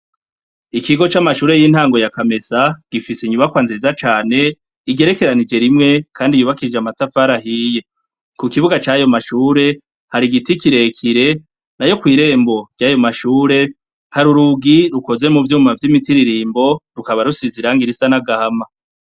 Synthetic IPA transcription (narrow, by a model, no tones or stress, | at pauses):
ikiɡo̞t͡ʃamaʃuːɾe̞jin̥haːŋɡo̞jakame̞saɡ̥ifisiɲuβakwaːnzizat͡ʃaːne̞ | iɡe̞ɾe̞ke̞ɾanid͡ʒe̞ɾimŋe̞kʰaːndijuːβakid͡ʒeamatafaːɾaɦiːje̞ | kukiβuɡat͡ʃajo̞maʃuːɾe̞ | haɾiɡitikiɾe̞kʰiɾe̞ | najo̞kwiːɾe̞ːmbo̞ɟɟ̥ajo̞maʃuːɾe̞ | haɾuɾuɡiɾuko̞ze̞muvjuːmavjimitiɾiɾiːmbo̞ɾukaβaɾusiziɾaŋɡiɾisanaɡahama